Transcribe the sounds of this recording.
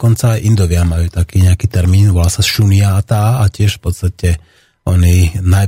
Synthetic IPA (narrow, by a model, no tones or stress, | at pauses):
kɔnt͡saːjʔind̪ɔʋɪamajuːt̪akiːɲɛakiːt̪ɛɾmiːnʋɔlaːsasʃuniaːt̪aacɪɛʃfpɔt̪st̪acɛ | ɔninaj